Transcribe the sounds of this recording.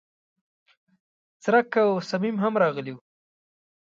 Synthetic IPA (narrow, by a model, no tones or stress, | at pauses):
t͡sɾakawsamimɦamɾɑɣəliw